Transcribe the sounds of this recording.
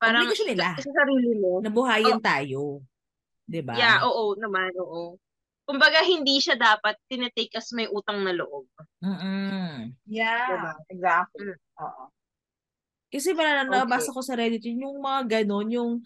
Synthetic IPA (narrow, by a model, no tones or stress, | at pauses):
paːɾɐŋkɐʃɐnɪlasɐsɐɾiːlɪmonɐbʊɦaːjɪnt̪aːjo | d̪ɪba̰jaʔoːʔonɐmanʔoːʔo | kʊmbɐɡaɦɪnd̪iːʃad̪aːpɐt̪̚ːɪnɐt̪ejkɐsmɐjʔuːt̪ɐŋnɐlo̰ʔob̚m̩ːʔ̩ | jaɐaɛɡak̩ʔo̰ːʔo | kɐsɛmɐɾaːnɐnɐbɐbaːsɐko̞sɐɾɛːd̪ɪt̪ɛjʊŋmɐŋaɡɐno̞njʊŋ